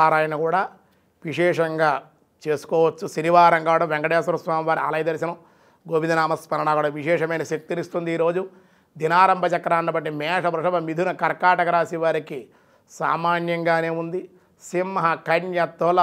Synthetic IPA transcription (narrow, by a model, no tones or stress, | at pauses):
aːɾaːjɐnɐkuːɽaː | ʋiʂɛːʂɐŋɡaː | t͡ʃe̞ːsu̥kɔːʋɐt͡ʃːusiniʋaːɾɐŋɡaːɽɐmʋeŋkɐɖeːsɐɾɐsʋaːmiʋaːɾiɐ̰lɐjd̪ɐɾisinɐ | ɡoːbind̪ɐnaːmɐspɐnɐnaːkuːɽaːʋiʂɛːʂɐmɐjnɐʃɐk̚t̪inist̪und̪iːɾo̞ːd͡ʒu | d̪inaːɾɐmbʱɐt͡ʃɐkːɐɾaːnːɐbɐʈːimɛːʂɐbɾɐʂɐbɐmid̪ʱunɐkɐɾkaːʈɐkɐɾaːsiʋaːɾiki | sa̰ːmaːnjɐŋɡaːneːund̪i | simːɐɦɐkɐɳjɐt̪ɐlɐ